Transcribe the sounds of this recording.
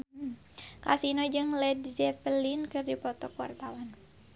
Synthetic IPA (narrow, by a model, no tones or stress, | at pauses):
ka̰sinɔd͡ʒɨŋlɛdzɛfəlinkɨrdipɔt̪ɔkwart̪awan